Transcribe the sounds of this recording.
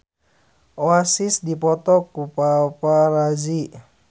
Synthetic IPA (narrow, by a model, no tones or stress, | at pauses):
oasisdipɔt̪ɔkupapaɾad͡ʒi